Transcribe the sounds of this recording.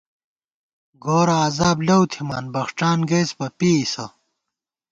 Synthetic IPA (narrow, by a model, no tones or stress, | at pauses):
ɡoːɾɐːzaːblɐwt̪ʰimaːnbɐxʂʈ͡ʂaːnɡeːspɐpiisɐ